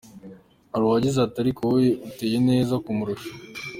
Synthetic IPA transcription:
haɾuhaɟizataɾikowjeʔute̞je̞ne̞ːzakumuɾoʃo̥

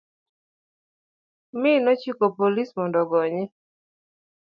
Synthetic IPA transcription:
mɪnɔt͡ʃikopolismɔndɔɡɔɲɪ

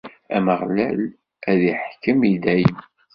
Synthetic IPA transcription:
æməʁlæl | æðiħkːəmjid̪æjəm

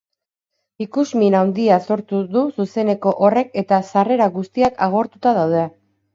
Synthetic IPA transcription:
ikuzminawnd̪iaso̞ɾt̪uðususe̞ne̞ko̞ʔore̞ke̞t̪asare̞ɾaɣust̪iakaɣ̞o̞ɾt̪ut̪aðawð̞ea

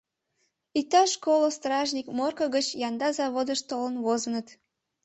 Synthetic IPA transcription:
it̪ɑʃkolost̪rɑʒnʲikmorkəɣət͡ɕjɑnd̪ɑzɑβod̪əʃt̪olənβozənət̪

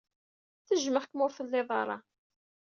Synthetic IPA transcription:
θəʒməχkmʊɾfəlːɪðˤɑ̰ɾˤɑ

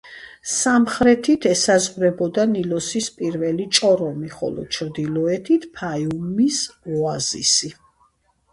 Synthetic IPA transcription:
samχɾɛt̪ʰit̪ʰɛsazʁɾɛbɔd̪anilɔsispʼiɾvɛlit͡ʃʼɔɾɔmiχɔ̰lɔ̰t͡ʃʰɾd̪ilɔɛt̪ʰit̪ʰpʰajumisɔazḭsi

